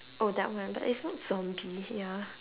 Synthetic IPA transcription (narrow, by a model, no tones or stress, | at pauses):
ʔodɛ̰ʔ̚wãnba̰ʔɪtsnɔtz̥ɔ̃mbija